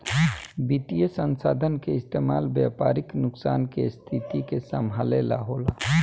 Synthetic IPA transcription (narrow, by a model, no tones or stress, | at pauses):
bit̪ijəsənsad̪ʱənkeɪst̪emalbjapaɾiknʊksankḛst̪ʰit̪ikesəmʱalela̰ɦola